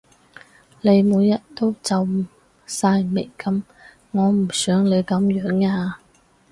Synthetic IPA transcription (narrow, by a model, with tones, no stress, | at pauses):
le˨˧jmuː˨˧jːɐ˥t̚t̪o˥wt͡sɐ˨w | saː˧jme˨˩jkɐ˨˥m | ŋɔː˨˧m̩˨˩sœː˨˥ŋle˨˧jkɐ˨˧˥mjœː˨˥ŋaː˧